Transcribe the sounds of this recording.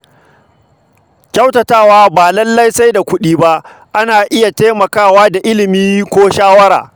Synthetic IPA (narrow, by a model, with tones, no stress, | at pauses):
kʲɐ˦wtɐ˨taː˦˨waː˦baː˨lɐ˦lːɐ˦jsa˦jda˨kʷʊ˦ɗiː˦ba˦ʔ | ʔa˦naː˨ʔɪ˦ja˨ta˦mɐ˨kaː˦˨waː˦da˨ʔɪ˦lɪ˨miː˦kʷoː˦ʃaː˦wɐ˦ɾa̰ː˨